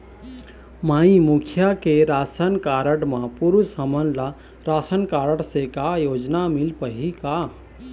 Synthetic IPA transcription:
maĩmukʰjakeɾasənkaɾəɽmãpuɾusɦəmənla | ɾasənkaɾəɽsekajod͡ʒnamilpəɦika

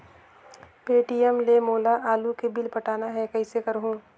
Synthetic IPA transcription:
peːʈijəmlemoːlaʔaːlukebɪlpɐʈaːnaɦɛkɐɪsekɐɾɦũː

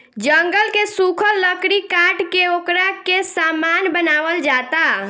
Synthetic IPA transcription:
d͡ʒəŋɡəlkesukʰəlːəkɾikaʈkeokɾakesamanbənaːʋəld͡ʒat̪a

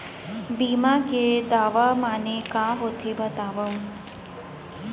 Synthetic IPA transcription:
biːmãked̪aːʋamaːnekãɦot̪ʰebət̪aːʋə̃

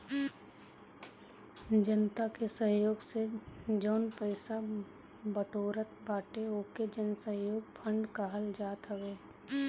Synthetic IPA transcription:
d͡ʒənt̪akesəɦjoːɡsed͡ʒoːnpəɪsa | bəʈoːɾət̪baːʈeoːked͡ʒənsəɦjoːɡ̚pʰə̃ɳɖkaɦəld͡ʒaːt̪ɦəweː

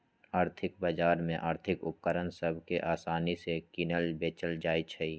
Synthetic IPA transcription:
aːɾt̪ʰɪkbaːd͡ʒaːɾmẽʔaːɾt̪ʰɪkʊp̚kəɾənsəbʱkeʔaːsaːnisekinəlbeːt͡ʃəld͡ʒaːit͡ʃʰəiː

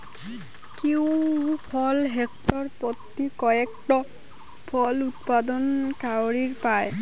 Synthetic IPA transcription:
kiwpʰɔlɦɛktɔɹpɔt̪ːikɔjɛktɔ | pʰɔlut̚padɔnkawɹiɹpaj

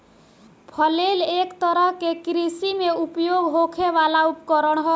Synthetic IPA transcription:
pʰʌlelekt̪ʌɾʌɦkekɾisimeupjoɡɦokʰeβalaupkɔɾʌɳɦʌ

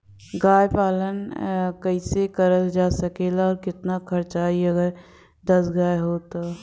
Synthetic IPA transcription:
ɡaːjpaːlənkəɪsekəɾəld͡ʒasəkeːlaɔːɾkɪt̪nakʰəɾt͡ʃaːiəɡəɾ | d̪əsɡaːeɦot̪o

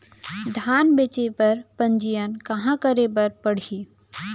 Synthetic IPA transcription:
d̪ʱaːnbeːt͡ʃepɐɾpə̃ɲd͡ʒijənkɐɦãkəɾebɐɾpəɽ̤iː

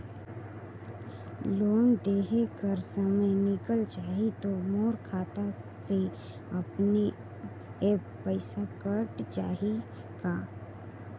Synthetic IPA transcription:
loːnd̪eːɦekəɾsəməjnɪkəlt͡ʃaːɦit̪omoːɾkʰaːt̪ase | ɐpni | eːppəɪsakəʈt͡ʃaːɦi | kaː

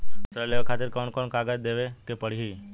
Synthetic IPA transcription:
səɾleʋakʰat̪ɪɾkɔɳkɔɳkaɡad͡ʒd̪eʋekepəɽ̤iɦi

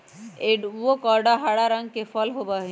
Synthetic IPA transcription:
eʋokɔɾɖaɦaɽaɾə̃ŋɡ̚kefʰɔlɦobaɦĩ

